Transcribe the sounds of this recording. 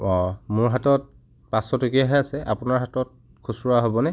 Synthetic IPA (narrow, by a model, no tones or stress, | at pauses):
ɔ̃mʊɹɦatɔt̚ | pasɔtokiaɦɔjasɛʔa̰pʊnaɹɦatɔt̚ | kʰusʊɹaɦobɔnɛ